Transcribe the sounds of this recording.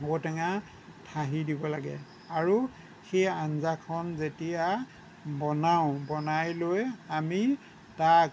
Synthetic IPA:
otɛŋa | tʰaɦidibɔlaɡɛ̰ | aɹu | xejanzakʰɔnzetija | bɔnaʊ̃bɔnajlojami | tak̚

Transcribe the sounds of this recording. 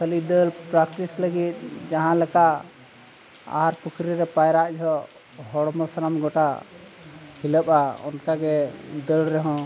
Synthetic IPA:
kəlid̪əlpɾakʈisləɡit̪̚d͡ʒaɦãlɛkaʔ | a̰ɦaɾpukʰɾiɾɛpajɾaʔd͡ʒɔ | hɔɽmɔsaɾamɡɔʈa | hiləpaɔ̰nkaɡɛd̪əlɾɛɦɔ̃

